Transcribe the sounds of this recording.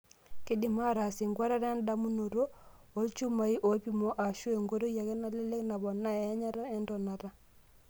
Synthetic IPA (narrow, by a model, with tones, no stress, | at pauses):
kɪ˦di˨ma˦ɾa˨si˨ŋɡwa˦ɾa˦ɾa˦nda˦mu˦no˨ɾo˦ | o˦lt͡ʃu˦ma˨i˦ʔo˨˦pi˦˨mo˦ʔa˨ʃu˦e˨ŋɡo˦ɾo˦ja˨kɛ˦na˦le˦le˦kna˨bɔ˨nːa˦e˨˦ɲa˦ɾa˦ɛ˦ndɔ˨na˨ɾa˦